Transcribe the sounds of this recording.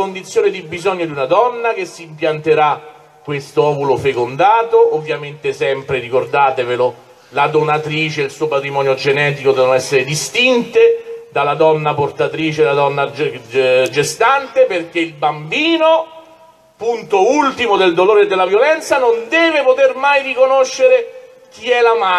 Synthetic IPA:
ond̪it̪sjoːned̪ibizɔɲːod̪iunad̪ɔnːak̟esːiːmpjant̪eɾa | kːwest̪oɔːvulofekond̪aːt̪oʔːvːjament̪esɛmpɾerikord̪aːt̪evelo | lad̪onat̪ɾiːt͡ʃeelsuːopat̪ɾimɔːnjod͡ʒenɛːt̪̬ikod̪ɛvnnɛsːeɾed̪ist̪int̪ed̪alad̪ɔnːaport̪at̪ɾiːt͡ʃelad̪ɔnːa | d͡ʒest̪ant̪eperk̟eilbambiːno | punt̪oult̪imod̪eld̪oloːɾed̪ːelːavjolɛnt̪sanond̪ɛːvepot̪ermajrikonoʃːeɾe | k̟iɛlama

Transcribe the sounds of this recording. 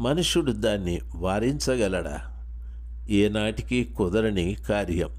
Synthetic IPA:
mɐnuʂuɽud̪aːnːi | ʋaːɾiɲt͡ʃɐɡɛlɐɽɐ̰ | eːnaːʈi̥kikɔd̪ɐɾɐnikaːɾjɐm

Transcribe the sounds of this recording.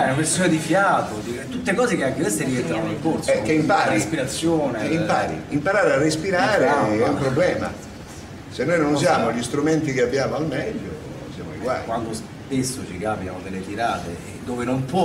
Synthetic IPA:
ɛnapeɾsoːnad̪ifjaːt̪od̪iɛt̪ːut̪ːekɔːzekeaŋkekest̪eɾivɛnt̪aneŋkoɾsɛkːeimpaːɾiespiɾat̪sːjoːneimpaːɾḭimpaɾaːɾearːespiɾaːɾeɛumpɾobːlɛːma̰ | senːojnons̬jaːmoʎist̪ɾumɛnt̪ikeabːjaːmoalmɛdːo̰ | sja̰mo̰ḭkɡwa̰ːjikwand̪os | pesːot͡ʃikaːpjanod̪elet̪iɾaːt̪ḛ | d̪oːvenompwɔ

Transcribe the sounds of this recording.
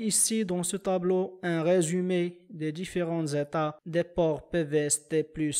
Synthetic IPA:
isid̪ɑ̃sət̪abloɛ̃ʁezymed̪ed̪ifeʁɑ̃zet̪ad̪epɔʁpøvɛst̪eplys

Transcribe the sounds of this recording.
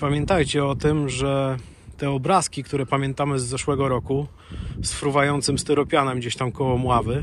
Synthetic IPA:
pamʲjɛnt̪ajt͡ɕɛɔt̪ɘmʐɛ | t̪ɛɔbɾaskʲikt̪uɾɛpamʲjɛnt̪amɘzːɛʂwɛɡɔɾɔku | sfɾuvajɔnt̪sɘmst̪ɛɾɔpʲjanɛmɡd͡ʑeɕt̪amkɔwɔmwavɘ

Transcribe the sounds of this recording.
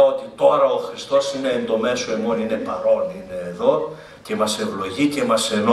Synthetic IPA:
ot̪it̪o̞ɾɐoxɾist̪o̞sine̞ːnd̪o̞me̞soemo̞nine̞pɐɾo̞nine̞ːðo̞ | ce̞mɐse̞vlo̞ʝice̞mɐse̞no

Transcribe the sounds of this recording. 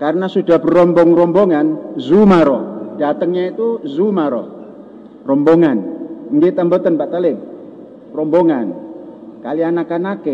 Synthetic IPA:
karənasudahbəɾɔmbɔŋrɔmboŋanzumaɾɔd̥at̪əŋɲait̪uzumaɾɔ̰ | rɔmbɔŋanŋɡɪt̪ambət̪ənpaʔt̪alɪp̚ | rɔmbɔŋankalianakanakɛ

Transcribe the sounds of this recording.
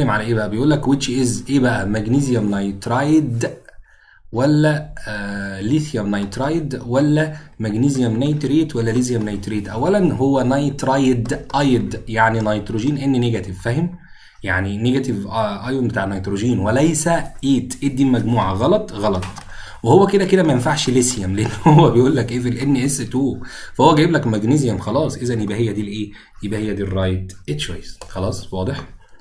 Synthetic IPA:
emʕalæʔeːbæʔæbejʔuːlːækwet̪ʃiʔezʔeːbæʔæmæɡnizjæmnɑjt̪ɾˤɑjd̪ | wælːæ | liθjæmnɑjt̪ɾˤɑːjd̪wælːæmæɡnizjæmnæjt̪ɾeːt̪wælːælizjæmnɑjt̪ɾeːt̪ʔæwːælænɦowːænɑjt̪ɾˤɑjd̪ʔɑjd̪jaʕninɑjt̪ɾoʒiːnʔenːineɡæt̪ivfæhɪm | jaʕnineɡæt̪ivʔɑjonbet̪aːʕnːɑjt̪ɾoʒiːnwelæjsæʔeːt̪ʔed̪ːimːæɡmuːʕaɣɑlɑt̪ˤɣɑlɑt̪ˤ | wehowːæked̪æked̪æmæjenfaʕʃlesjæmleʔenːhowːæbejʔuːlːækʔefelʔenːiʔesːet̪uːfæhowːæɡæjeblækmæɡnizjæmxɑlɑːsˤʔezænjebʔæhejːæd̪iːlʔeː | jebʔæhejːæd̪iːrˤːɑːjd̪ʔet̪ʃwæjːesxɑlɑːsˤwɑːd̪ˤeħ

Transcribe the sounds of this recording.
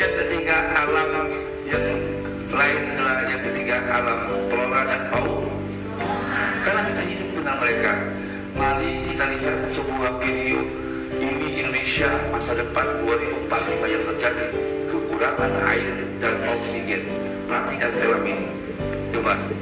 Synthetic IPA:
jat̪əriŋɡaʔalam | jaŋ | laɪnəlajat̪əriŋɡaʔalampəloɾadanpauk | karnakit̪aɦidup̚unaməɾeka | maɾikit̪aliɦat̪̚səbuahfidio̰ | iniʔindonesiamasadəpanduaɾibumpat̪̚limajaŋt̪ərd͡ʒadi | kəkulaŋana̰ɪr | danpauksiɡɛn | pəɾat̪ikanpelamini | t͡ʃuma

